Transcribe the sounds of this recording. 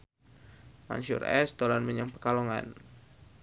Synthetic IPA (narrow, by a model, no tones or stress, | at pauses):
ma̰ɲʃṵrɛ̰st̪ɔlanməɲaŋpəkalɔŋa̰n